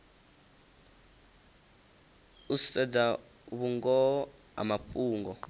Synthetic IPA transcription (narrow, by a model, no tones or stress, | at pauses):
usɛd͡za | uɓuŋɡɔɔ | a̰maɸuːŋɡɔ